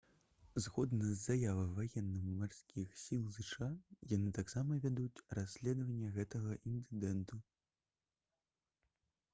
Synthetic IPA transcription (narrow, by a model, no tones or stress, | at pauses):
zɣɔd̪nɐzːajavɐvajɛnːɨmmarsʲkʲixsʲilˠzɨʂajanɨt̪aksamɐvʲad̪ut͡sʲrasʲlʲɛd̪vɐnʲːɐɣɛt̪ɐɣɐʔint̪ɨd̪ɛnt̪u